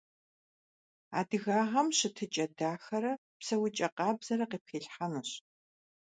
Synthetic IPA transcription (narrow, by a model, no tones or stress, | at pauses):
a̰ːdɨɣaːʁɐmɕɪtʰɨt͡ʃʼɐdaːxɐɾɐ | psɐwʊt͡ʃʼɐqɑːbz̥ɐɾɐqeːp̚xeːɬħanɨɕ